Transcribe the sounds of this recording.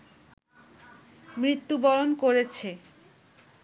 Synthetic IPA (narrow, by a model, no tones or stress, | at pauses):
mɾit̪ːubɔɾonkoɾet͡ɕʰe